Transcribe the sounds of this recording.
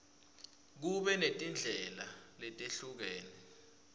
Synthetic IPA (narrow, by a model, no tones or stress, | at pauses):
k̬uɓɛnetʼind͡ɮʱɛlalɛtʼeɬuk̬eːni